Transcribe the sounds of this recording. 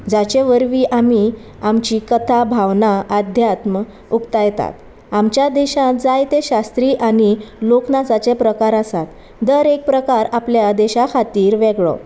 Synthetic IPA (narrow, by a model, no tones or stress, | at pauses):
d͡zat͡ɕeʋəɾʋiːʔami | amt͡ɕikət̪ʰabʱaʋnaad̪ʱjat̪mə | ukt̪ajt̪a̰t̪ | amt͡ɕjad̪eɕãd͡zajt̪eɕast̪ɾiːʔañiloknasat͡sepɾəkaɾəsat̪ | d̪əɾek̚pɾəkaɾapljad̪ɛɕakʰat̪iːɾʋeɡɭo̰